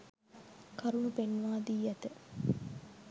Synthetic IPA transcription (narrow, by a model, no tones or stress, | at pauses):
kɐɾunupenʋaːd̪iːæt̪ə